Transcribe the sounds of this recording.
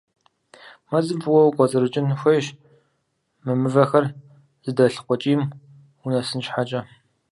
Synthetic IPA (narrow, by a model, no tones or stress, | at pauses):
mɐzɨbwɔwɡʷʼɔt͡sʼɨɾɨt͡ʃʼɪnxʷɐjʃ | mɨmɨvɐxɐr | z̥ɨdɐɬqʷɔt͡ʃʼiːm | unɐsɨnʃħat͡ʃʼɐ